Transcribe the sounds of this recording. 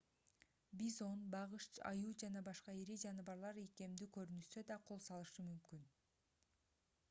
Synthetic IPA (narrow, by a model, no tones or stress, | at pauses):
bizo̞nbɑʁɯʃt͡ʃɑ̰juːd͡ʒɑnɑbɑʃqɑeɾid͡ʒɑnɯβɑɾlˠɑɾejke̞md̪ykø̞ɾynyʃt̪ø̞d̪ɑqʰo̞lˠsɑlˠɯʃɯmymkyn